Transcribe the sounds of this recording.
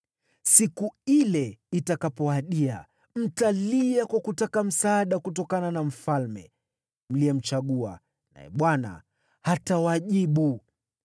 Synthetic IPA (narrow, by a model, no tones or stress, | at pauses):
sikuilɛitakapɔaɗia̰ | m̩taliakwakutakam̩saːɗakutɔkananam̩falmɛ̰ | m̩liɛm̩t͡ʃaɠua̰ | na̰jɛ̰ɓwana̰ | hatawaʄiɓu